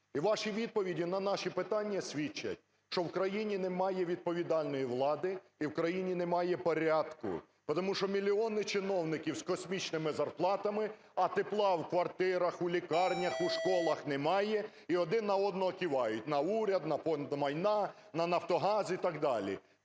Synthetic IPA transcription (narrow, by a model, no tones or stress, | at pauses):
iʋɑʃiʋʲid̪̚pɔʋʲidʲinɐnɑʃipɪt̪ɑnʲːɐsʲʋʲit͡ʃːɐ̰tʲ | ʃt͡ʃɔwkɾɐjinʲinɛmɑjɛʋʲid̪̚pɔʋʲid̪ɑlʲnɔjiʋlˠɑd̪ɪ | iwkɾɐjinʲinɛmɑjɛpɔɾʲɑd̪kʊ̰ | pɔt̪ɔmuʃt͡ʃɔmʲilʲiɔnɪt͡ʃɪnɔwnɪkʲiwskɔsʲmʲit͡ʃnɪmɪzɐrplˠɑt̪ɐmɪ | ɐt̪eplˠɑwkʋɐrt̪ɪɾɐxulʲikɑrnʲɐxuʃkɔlˠɐxnɛmɑjɛ | iɔd̪ɪnːɐɔd̪nɔɦɔkʲiʋɑjʊtʲnɐuɾʲɐd̪nɐpɔmɐjnɑ | nɐnɐwt̪ɔɦɑzit̪ɐɡd̪ɑlʲḭ